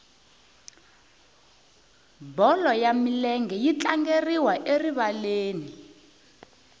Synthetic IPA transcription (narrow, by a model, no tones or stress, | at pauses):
bɔlɔjamilɛŋɡɛjit͡ɬaŋɡeriwaʔeriβaleːni